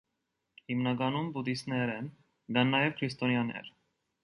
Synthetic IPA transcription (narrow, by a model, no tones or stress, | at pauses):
himnɑɡɑnumbud̪isnɛɾɛn | ɡɑnːɑjɛvkʰɾist̪ɔnjɑnɛ̰ɾ